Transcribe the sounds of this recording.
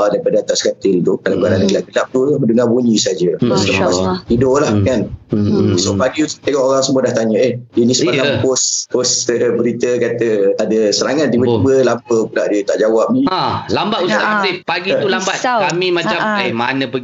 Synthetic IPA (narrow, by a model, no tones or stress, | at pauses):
dajpadat̪aʔskat̪ɪlt̪ukalakanadaɡəlaʔɡəlap̚t̪uməndəŋabuɲĩsad͡ʒəasələpasidʊʔlahkan | sopaɡiut̪ut̪eŋɔʔoɾaŋsəmuədaht̪aɲəehdənisəmalampospost̪əbəɾit̪əkat̪əadəsəɾaŋat̪̚d̪ibət̪ibəlampəkulaʔdiət̪aʔd͡ʒawap̚niãlambatussaasɪpaɡit̪ulambat̪kamimaamlamanə̃pə